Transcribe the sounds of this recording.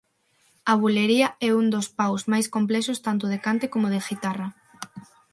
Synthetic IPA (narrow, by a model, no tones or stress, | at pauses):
aβ̞uleɾiɐɛund̪ospawzmajskomplɛʃʊst̪ant̪ʊð̞ekant̪ekomoðeɣit̪arɐ